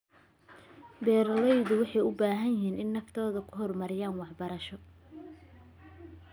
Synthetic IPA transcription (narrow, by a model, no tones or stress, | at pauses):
bɛːɾɐlɛjðʊwɑħɑjʊbaːɦɐnjɪɦiːnʔɪnːɐft̪ʰɔːðɐkʰʊɦɔrmɐɾɪjaːnwɑħbɐɾɐʃɔ